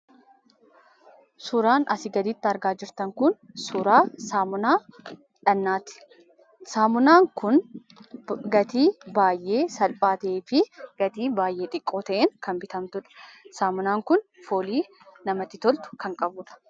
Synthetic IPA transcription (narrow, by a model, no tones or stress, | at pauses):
sʊɾaːnʔɐsɪɡɐd̪ɪt̪ːɪɐɾɡaːd͡ʒɪɾt̪ɐŋkʊn | sʊɾaːsaːmʊnaː | ᶑɐnːaːt̪ɪ̥ | saːmʊnaːŋkʊn | ɡɐt̪iːbaːjʔe̞ːsɐlpʼaːt̪eːfɪɡ̥ɐt̪iːbaːjʔe̞ːᶑ̪ʼɪkʼːo̞ːt̪ɐʔeːŋkɐnbɪt̪ɐmt̪ʊᶑɐ̥saːmʊnaːŋkʊnfoːliː | nɐmɐt̪ːɪt̪ɔlt̪ʊ̥kɐŋkʼɐbʊːᶑɐ̥